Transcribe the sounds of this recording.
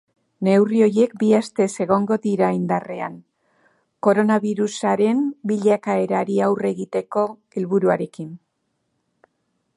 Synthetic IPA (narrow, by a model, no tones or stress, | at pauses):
ne̞wrio̞jje̞kbiast̪e̞se̞ɣo̞ŋɡo̞ðiɾaind̪arean | ko̞ɾo̞naβiɾusaɾe̞mbiʎakae̞ɾaɾiawre̞ɣit̪e̞ko̞ | e̞lβuɾuaɾe̞kin